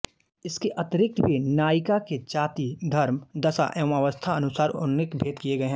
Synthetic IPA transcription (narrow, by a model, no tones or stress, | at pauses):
ɪskeʔɐt̪ɾɪk̚t̪bʱinaːɪkaket͡ʃaːt̪id̪ʱɐɾmd̪ɐsa̰ʔɛmaʋəst̪ʰaɐnʊsaːɾʊ̰nːɪkbʱeːd̪kijeɡɐeɦɛ̃